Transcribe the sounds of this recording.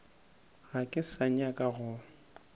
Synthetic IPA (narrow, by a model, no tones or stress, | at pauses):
ɣakʼɪsaɲakʼaɣʊ